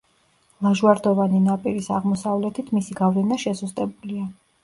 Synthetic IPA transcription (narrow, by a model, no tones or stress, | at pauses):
lˠaʒwaɾd̪ɔvaninapʼiɾisaʁmɔsavlɛt̪ʰit̪ʰmisiɡavlɛnaʃɛsust̪ʼɛbulia